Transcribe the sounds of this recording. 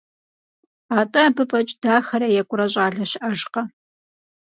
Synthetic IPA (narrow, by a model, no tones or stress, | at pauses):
aːtʼɐbɨfʼɐt͡ʃʼd̥aːxɐɾɐjɛkʷʼʊɾɐɕʼaːɮɐɕɪʔɐʒqɐ